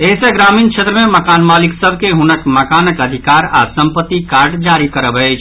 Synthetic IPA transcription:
eɦisẽɡɾamint͡ʃʰet̪ɾəmeməkanmaliksəbkeɦunəkməkanəkəd̪ʱikaɾa̰səmpət̪ːikaɾɖd͡ʒaɾikəɾəbɛɪt͡ʃʰ

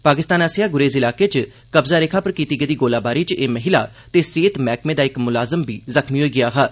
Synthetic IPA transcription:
paːkɪst̪aːnəsjaːɡʊɾeːzɪlaːkeːt͡ʃ | kəbzaːɾeːkʰaːpəɾkiːt̪iːɡed̪iːɡoːlaːbaːɾiːt͡ʃeːməɦɪlaː | t̪eːseːt̪mɛːkmẽːd̪aːɪkmʊlaːzəmbʱiːzəkmiːɦoːiːɡɪjaːɦaː

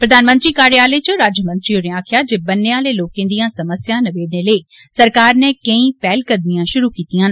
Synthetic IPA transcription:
pɾɐd̪ʱaːnmə̃nt̪ɾikaːɾjaːlet͡ʃɐɾaːd͡ʒəmə̃nt̪ɾionẽaːkʰɪjad͡ʒebɐnːeãːleloːkẽːn̆d̪ijãsɐməsjãnɐʋeːɖneleː | sɐɾkaːɾnɛkɐ̃ĩpɛːlkɐd̪̚mijãʃʊɾukiːt̪ijãːn

